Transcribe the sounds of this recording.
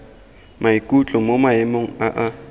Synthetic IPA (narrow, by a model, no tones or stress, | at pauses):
mʔaikʼut͡ɬʼomomaɪmoŋ̩aʔa